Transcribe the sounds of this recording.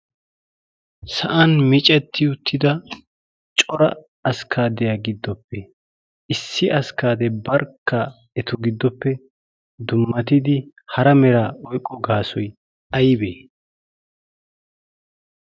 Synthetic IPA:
sɐʔɐnmɪt͡ʃʼɛt̪ʰːɪʊt̪ʰːɪd̪ɐ | t͡ʃʼɔɾɐ̰ | ɐskʰaːd̪ɛjaɡɪd̪ːɔpːɛ | ɪsːɪʔɐskaːd̪ɛbɐɾkʰːɐ | ɛt̪ʊɡɪd̪ːɔpːɛ | d̪ʊmːɐt̪̬ɪd̪ɪ | hɐɾɐmɛɾaːɔjkʼːɔɡaːsɔj | ɐjbeː

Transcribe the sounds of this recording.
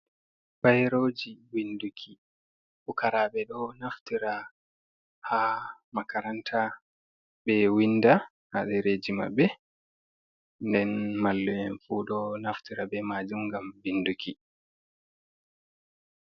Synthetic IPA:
b̥ajɾod͡ʒiwindukʰi | ɓɔkaɾaɓɛɗɔnaftiɾa | hamakaɾantʰa | bɛwinːda | haɗɛɾed͡ʒima̰bːɛ | ndɛnmalːɛɛnfuɗɔnaftiɾabɛmaːd͡ʒumŋɡambindukʰi

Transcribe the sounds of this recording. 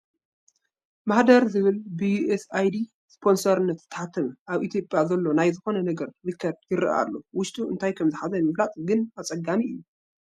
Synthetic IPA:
maħd̪ɐɾzɨβɨlbijuʔesajd̪i | spʰo̞nsɐɾɨnːɐt̪ɨ̥t̪ʰːɐ̥ħat̪ʰːɐmʔaβʔit̪ʰjo̞pʼjazɐlːo̞najzɨxo̞nɐnɐɡɐɾːɨkʰːɐd̪jɪɾ̰ʔa̰lːo̞wʊʃt̪ʼuʔɨ̰nt̪ʰajkʰɐmzɨħazɐnmɨβlat̪ʼɡɨnat͡sʼɐɡːamiʔɨjːu

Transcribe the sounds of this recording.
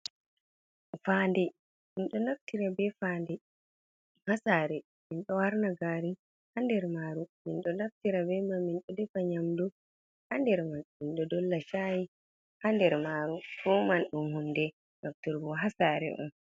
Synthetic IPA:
fandɛ | minɗɔnaftiɾabɛfaːndɛ | hasaːɾɛ | minɗɔwaɾnaɡaːɾi | handɛɾmaːɾuminɗɔnaftiɾabɛmaminɗɔdɛfaɲamdu | handɛɾmanminɗɔdɔlːaʃaji | handɛɾmaɾubɔmanɗumhundɛ | nɔftuɾbɔɦasaɾɛ̰ʔɔ̰n

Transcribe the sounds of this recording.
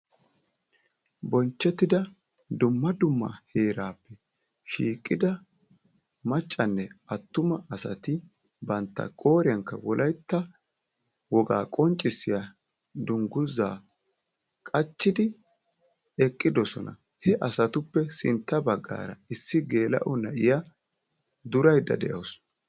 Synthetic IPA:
bɔnt͡ʃːɛt̪ːɪd̪ɐ | d̪ʊmːɐd̪ʊmːɐ̰he̞ːɾaːpːɛ | ʃḭːkʼːɪd̪ɐ | mɐt͡ʃʼːɐnːɛɐt̪ːʊmɐʔɐsɐt̪ɪ | bɐnt̪ːɐ̰kʼo̞ːɾɪjɐŋkːɐwɔlʔɐjt̪ːɐ | wɔɡa̰ːkʼɔnt͡ʃʼːɪsːɪjɐ | d̪ʊŋɡʊzːaː | kʼɐt͡ʃːɪd̪ɪ | ɛkʼːɪd̪ɔsɔ̰nɐ̰ | hɛʔɐsɐt̪ʊpːɛsɪnt̪ːɐbɐɡːa̰ːɾɐ̰ɪsːɪɡe̞ːlɐ̰ʔɔnɐʔɪja | d̪ʊɾɐjd̪ɐ̰d̪ɛʔɐws

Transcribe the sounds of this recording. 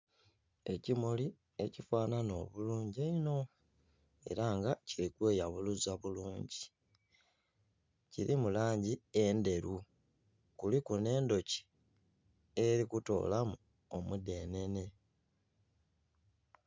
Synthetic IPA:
e̞cimoli | e̞cifaːnano̞βuluːɲɟeino̞ | e̞̰ɾaŋɡacilikwe̞ːjaβuluzaβuluːɲɟi | ciɾimulaːɲɟie̞nde̞ɾu | kulikune̞ːndo̞ci̥ | e̞ɾikuto̞̰ːlamu | omude̞ːne̞ne̞

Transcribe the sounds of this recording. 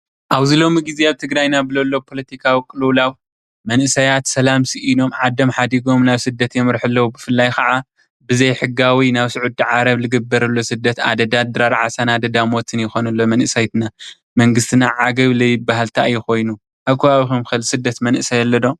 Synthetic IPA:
ʔaβzɨlo̞miɡizeaβt̪ʰɨɡɾajnabɨlɐlːo̞pʰo̞lɐt̪ʰikʰawikʼɨluwlaw | mɐnʔɨsɐjat̪sɐlamsɨʔino̞mʕad̪ːɐmħad̪iɡo̞mnaβsɨd̪ːɐt̪jɛmɨɾħɨlːɐwubɨfɨlːajxʰɐʕa | bɨzɐjħɨɡawinaβsɨʕud̪ːiʕaɾɐβlɨɡɐbːɐɾɐlːo̞sɨd̪ːɐt̪a̰d̪ɐd̪ad̪ɨɾaɾʕa̰sanad̪ɐd̪amot̪ʰɨnjɪxo̞nɐlːo̞mɐnʔɨsajt̪na | mɐŋɡɨst̪ʰɨnaʕaɡɐβlɐjɪbaɦalt̪ʰajːɛxo̞jnu | ʔaβkʰɐβaβixumxɨlsɨd̪ːɐt̪mɐnʔɨsɐjɛlːɐd̪o̞

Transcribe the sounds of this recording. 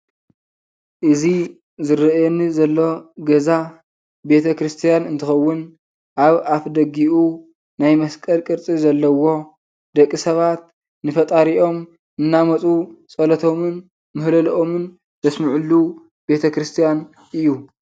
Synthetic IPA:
ʔɨzi | zɨɾɐjenɨzɐlːo̞ɡɐza | be̞t̪ʰɐkɾɨst̪ʰijanɨnt̪ʰɨxɐwːʊn | ʔaβafd̪ɐɡiʔu | najmɐskʼɐlkʼɨɾt͡sʼizɐlːɐwo̞ | d̪ɐkʼːisɐβat̪ | nɨfɐt̪ʼaɾiʔo̞m | ɨnːamɐt͡sʼut͡sʼɐlɐt̪ʰo̞mɨn | mɨhlɐlʔomɨn | b̥ɐsmɨʕulːu | be̞t̪ʰɐkɾɨst̪ʰijan | ʔɨjːu

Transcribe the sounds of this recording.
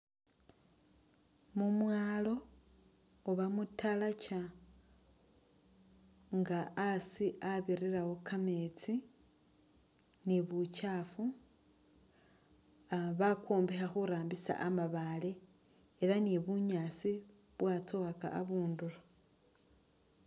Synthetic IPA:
mumwaːlo̞ | oβamutalat͡ʃa | ŋɡaːsiʔaβiɾiɾawo̞kame̞t͡si | niβut͡ʃafu | aβakoːmbexaxuɾaːmbisa̰ʔamaβaleː | laniβuɲaːsi | βwat͡soaka̰ʔːβuːndulo

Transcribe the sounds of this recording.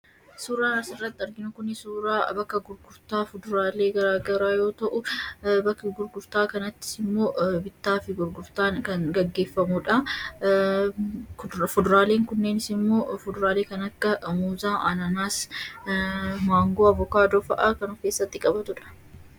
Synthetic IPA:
suːɾaːnɐsɪrːɐt̪ːɪɐɾɡɪnʊkʊnɪsuːɾaːbɐkːɐɡʊɾɡʊɾt̪aːfʊd̪ɾaːle̞ːɡɐɾaːɡɐɾaːjo̞ːt̪ɐʔʊbɐkːɐɡʊɾɡʊɾt̪aːkɐnɐt̪ːɪ̥sɪmːo̞ːbɪt̪ːaːfɪɡʊɾɡʊɾt̪aːnkɐnɡɐɡːe̞ːfːɐmʊᶑɐ | fʊd̪ɾaːle̞ːŋkʊnːe̞ːnɪsɪmːo̞ːfʊd̪ʊɾaːle̞ːkɐnɐkːɐmuːzaːʔɐnɐnaːs | maːŋɡoːɐvɔkaːd̪oːfɐʔɐkɐnʊfke̞ːsːɐt̪ːɪkʼɐbɐt̪ʊᶑɐ̥

